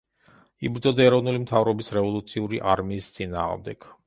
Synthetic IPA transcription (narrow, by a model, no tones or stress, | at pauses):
ibɾd̪zɔd̪aɛɾɔvnulimt̪ʰavɾɔbisɾɛvɔlˠut̪sʰiuɾiʔa̰ɾmiːst̪sʼina̰ːʁmd̪ɛ̰ɡ̥